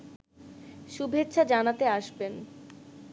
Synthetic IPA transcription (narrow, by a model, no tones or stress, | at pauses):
ʃubʱet̪ːɕʰad͡ʑanat̪eaʃben